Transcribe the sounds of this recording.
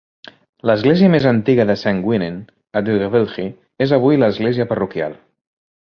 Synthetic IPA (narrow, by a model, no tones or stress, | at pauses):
ləzɣleziəmezənt̪iɣəðəsaŋɡwinen | əd̪uɣəβelxi | ezəβ̞ujləzɣleziəpərukja̰lˠ